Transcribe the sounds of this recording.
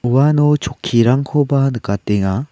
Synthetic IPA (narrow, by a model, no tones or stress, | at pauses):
uwanot͡ʃokʰːiɾaŋkʰobanɯkat̪eŋa